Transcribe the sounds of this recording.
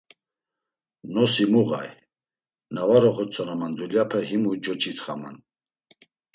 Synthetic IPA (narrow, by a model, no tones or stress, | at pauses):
nɔsimuɣa̰j | navaɾɔχɔt͡sʰʼɔnamand̪uljapʰɛɦimud͡ʒɔt͡ʃʰʼit̪ʰχama̰n